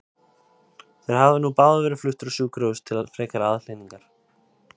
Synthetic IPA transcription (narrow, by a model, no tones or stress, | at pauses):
θeɾ̥havðʏnupaːðvɛɾɪflʏht̪ɾʏsuːkɾœwst̪ʰɪlaðfɾɛːkaɾaðflejniŋkaɾ̥